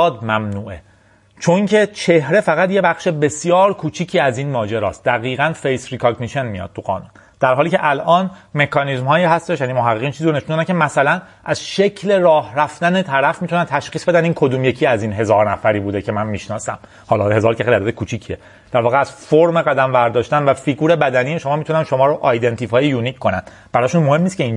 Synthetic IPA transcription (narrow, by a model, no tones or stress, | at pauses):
d̪mæmnuːʔe | t͡ʃʰo̞ŋcʰe̞t͡ʃʰe̞hɾefæɣæt̪je̞bæxʃebe̞sjɒːɾkʰuːt͡ʃʰiːcʰiːæziːnmɒːd͡ʒeɾɒ̰ːst̪̚d̪æɣiːɣænfejsɾikʰɒɡniʃe̞nmijɒ̰d̪̥̚t̪ʰuɣɒ̰ːnṵːn | d̪̥æɾɦɒːliːceʔælʔɒːnme̞kʰɒnizmhɒːjiːhæst̪e̞ʃjaænimoɦæɣːeːɣiːnt͡ʃʰiziːɾone̞ʃund̪onæncʰemæsælæn | ʔæzʃe̞cʰle̞ɾɒːhɾæft̪ænet̪ʰæɾæfmit̪ʰunænt̪ʰæʃxiːsbe̞d̪æniːnkʰo̞d̪uːmje̞cʰiːæziːnɦe̞zɒːɾnæfæɾiːbuːd̪ecʰe̞mænmiːʃnɒːsæm | hɒːlɒhe̞zɒːɾcʰæxiɾæd̪æd̪ekʰuːt͡ʃʰiːcʰie | d̪̥æɾvɒːɣeæz̥foɾme̞ɣæd̪æmvæɾd̪ɒːʃt̪ænvæfiɡuːɾe̞bæd̪ænijeʃo̞mɒːmit̪ʰunænʃo̞mɒːɾoʔɒjd̪e̞nt̪ʰifɒːjejuːnicʰkːo̞næn | b̥æɾɒːʃunmo̞he̞mːiːscʰe̞in